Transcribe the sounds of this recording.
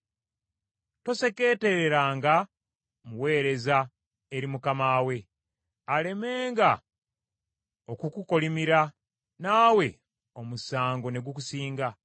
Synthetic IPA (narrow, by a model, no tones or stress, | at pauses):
to̞se̞ke̞ːte̞ɾeɾaːŋɡa | muwe̞ːɾe̞za | eɾimukamaːwe̞ | ale̞me̞ːŋɡa | okukuko̞limiɾa | naːwe̞ | o̞musaːŋɡo̞ne̞ɡwukusiːŋɡa